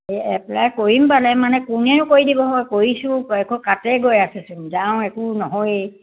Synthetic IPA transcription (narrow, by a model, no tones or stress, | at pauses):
ɛplajkoɹimpalɛmanɛkʊnɛɹʊkoɹidibɔɦɔjkoɹisʊ̃ɛkukatɛɡojasɛsumzãʊ̃ɛkunɔɦɔj